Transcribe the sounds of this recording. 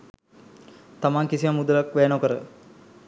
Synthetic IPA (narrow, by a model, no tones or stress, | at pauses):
t̪amaŋkisimamud̪ulakʋeːnokəɾə̰